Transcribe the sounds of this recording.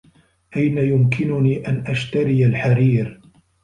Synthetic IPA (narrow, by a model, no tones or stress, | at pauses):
ʔajnajʊmkɪnʊniːʔanʔaʃt̪aɾɪjalħaɾiːɾ